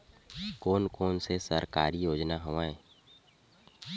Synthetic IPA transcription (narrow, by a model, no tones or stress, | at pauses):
koːnkoːnsesəɾkaːɾijoːd͡ʒnaɦʊʋaẽː